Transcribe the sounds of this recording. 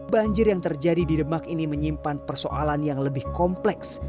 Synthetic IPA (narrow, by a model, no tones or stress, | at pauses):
baɲd͡ʒɪrjaŋt̪ərd͡ʒadididəmakiniməɲimpanpərsoʔalanjaŋləbɪhkɔmplɛks